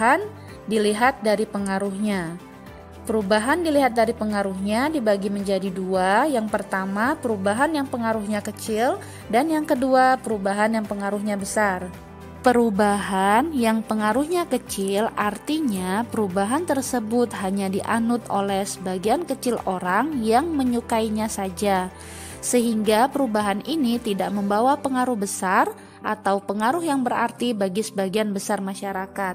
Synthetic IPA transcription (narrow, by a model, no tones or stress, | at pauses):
an | diliɦat̪̚daɾipəŋaɾuhɲa | pəɾubaɦandiliɦat̪̚daɾipəŋaɾuhɲadibaɡiməɲd͡ʒadiduajaŋpərt̪amapəɾubaɦanjaŋpəŋaɾuhɲakət͡ʃɪl | danjaŋkəduapəɾubaɦanjaŋpəŋaɾuɦɲabəsar | pəɾubaɦanjaŋpəŋaɾuhɲakət͡ʃɪlart̪iɲapəɾubaɦant̪ərsəbʊt̪̚ɦaɲadiʔa̰nʊt̪o̰lɛhsəbaɡiankət͡ʃɪloɾaŋjaŋməɲukaiɲasad͡ʒa | səɦiŋɡapəɾubaɦaninit̪idaʔməmbawapəŋaɾʊhbəsar | ʔat̪awpəŋaɾʊhjaŋbəɾa̰rt̪ibaɡisəbaɡianbəsarmaʃaɾakat̪̚